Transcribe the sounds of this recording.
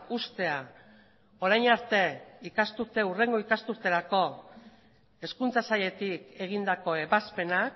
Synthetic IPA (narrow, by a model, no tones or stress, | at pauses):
ust̪e̞a | o̞ɾajɲaɾt̪e̞ikast̪uɾt̪e̞ure̞ŋɡo̞ikast̪uɾt̪e̞ɾako̞ | e̞skunt͡sasaʎe̞t̪ike̞ɣ̞ind̪ako̞e̞βaspe̞nak